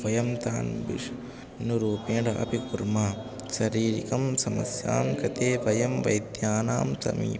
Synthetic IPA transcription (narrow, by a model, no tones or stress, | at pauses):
ʋɐjɐmt̪aːnbḭʂ | nuɾuːpeːɳɖɐʔɐ̰pikuɾmaː | ʃɐɾiːɾikɐmsɐmɐ̰sja̰ːmkɐt̪eːʋɐjɐmʋɐ̰jd̪jaːnaːmsɐ̰mḭː